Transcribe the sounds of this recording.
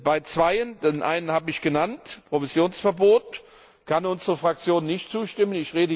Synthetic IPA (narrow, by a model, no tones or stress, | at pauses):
b̥aɪt͡sv̥aɪənd̥enʔa̰ɪnənhaːbəɪçɡ̥ənantpʁ̥ovizjoːnsfɛɐboːt | kʰanʊnzəʁəfʁ̥ak̚t͡sjoːnːɪçtt͡suːʃtɪmənɪçʁeːdə